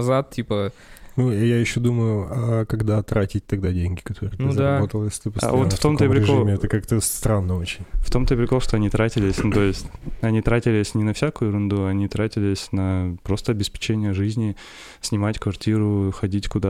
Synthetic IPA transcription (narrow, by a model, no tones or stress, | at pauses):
ɐzat̪̚tʲipənujajɪɕːo̞d̪uməjʊakɐɡd̪at̪ɾatʲɪt̚ʲt̪ɐɡ̚d̪adʲenʲɡʲɪkɐt̪ʰo̞ɾɨənuzd̪abot̪əlˠjesʲlʲɪ̥t̪ɨpəsa̰vot̪ft̪omt̪əpɾʲɪɪkʐomʲɪɛt̪əkakt̪əsst̪ɾanːəo̞t͡ɕɪnʲft̪o̞mt̪əpɾʲɪkoʂt̪o̞ɐnʲit̪ɾatʲɪlʲɪsʲnut̪o̞jɪsʲtʲɐnʲit̪ɾatʲɪlʲɪsʲnʲɪnɐfsʲakʊjʊɾʊnd̪uɐɐnʲit̪ɾatʲɪlʲɪsʲnɐpɾo̞st̪əɐbʲɪspʲɪ̥t͡ɕenʲɪjəʐɨzʲnʲɪ | sʲnʲɪmatʲkvɐrtʲiɾʊxɐdʲitʲkʊd̪a